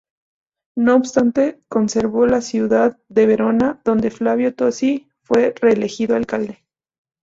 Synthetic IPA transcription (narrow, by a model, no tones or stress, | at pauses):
noːβst̪ant̪e̞ko̞nse̞ɾβo̞lasjuðaðːe̞β̞e̞ɾo̞naðo̞nd̪e̞flaβjo̞t̪o̞si | fwe̞re̞ːle̞xiðoalkald̪e